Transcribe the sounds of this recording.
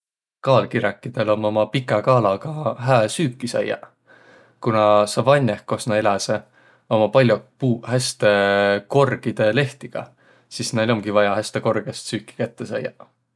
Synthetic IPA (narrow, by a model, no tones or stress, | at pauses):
kɑːlkiɾɑkːˑid̪̥elo̞mo̞mɑpikːˑɑkɑːlɑɡ̥ɑɦæːsyːkːˑisɑ̰jːɑ̰ | kunɑsɑvɑnʲːehkːo̞snɑelæse | o̞mɑpɑlʲjupuːhæst̪e̞ko̞rɡ̥id̪̥e̞le̞ht̪iɡ̥ɑ̰ | sisnejlo̞mɡ̥ivɑjɑhæst̪eko̞rɡ̥est̪syːkːˑi̥kæt̪ːe̞sɑjɑ̰